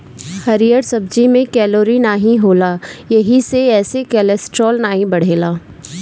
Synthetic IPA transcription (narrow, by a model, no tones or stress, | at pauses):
hɐɾijəɾsɐb̚d͡ʒimẽkɛːloːɾinaːɦĩɦoːlaːjɐɦiseɛːsekɛːlɛsʈɾoːlnaːĩbɐɽ̤eːlaː